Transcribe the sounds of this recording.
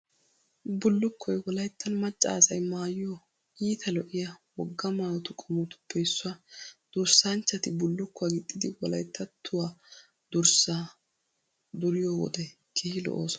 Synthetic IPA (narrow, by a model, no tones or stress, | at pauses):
bʊlːʊkʰːɔjwɔlɐjt̪ːɐnmɐt͡ʃʼːa̰ːsɐjmaːjɪjo | iːt̪ʰɐlɔʔɪjɐwɔɡːɐmaːwɔt̪ʊkʼɔmʊt̪ʊ̥pːɛɪsːʊwad̪̥ʊɾsant͡ʃːɐt̪ɪbʊlːʊkːɔwaɡɪt̪ʼːɪd̪ɪwɔlɐ̰jt̪ʰːɐt̪ʰːʊwaː | d̪ʊɾsaː | d̪ʊɾɪjowɔ̰d̪ɛ | kʰihɪlɔ̰ʔo̰ːsɔ